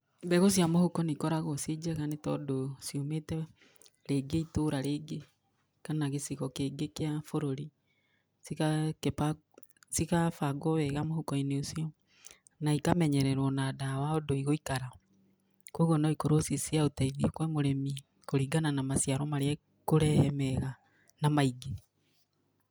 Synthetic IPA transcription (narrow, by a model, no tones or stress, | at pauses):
mbɛɣos̬iamohukɔnikɔɾaɣɔsid͡ʒɛɣanetɔ̰dosiometɛ | ɾeɡeitoɾaɾeɡe | kanaɣesiɣɔkeɡekeafoɾoɾi | siakepa | sikafaɡɔβɛɣamohukɔineosiɔ | naikamɛɲɛɾɛɾwɔnadawaɔdoiɣoikaɾa | koɣonɔikoɾosisiaotaiðikwɛmoɾɛmi | koɾiɡananamasjaɾɔmaɾeɛ | koɾɛhɛmɛɣa | namaiɡe